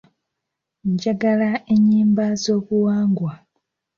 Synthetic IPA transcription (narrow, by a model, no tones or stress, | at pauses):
ɲɟaɡalae̞ɲiːmbazo̞ːβuwaːŋɡwa